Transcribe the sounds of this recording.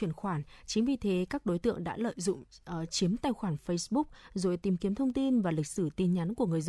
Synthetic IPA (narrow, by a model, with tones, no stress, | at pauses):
i˧˩ənxwaː˧˩nt͡ɕï˨˦ŋ̟vi˨˩t̪ʰe˨˦kaː˦˥k̚ɗo˨˦jt̪ɨ̰˧˨əŋɗa̰ː˧˥lə̰ː˧˨jzʊ̰˧˨ŋ͡mt͡ɕi˨˦əmt̪aː˧˩jxwaː˧˩nfə˧jsɓʊ˦˥k̚zo̰˨˩jt̪i˨˩mki˨˦əmt̪ʰə˧wŋ͡mt̪i˧nvaː˨˩lï˨˩k̟̚sɨ˧˩t̪i˨˩nɲa˨˦nku˧˩əŋɨ˨˩əjz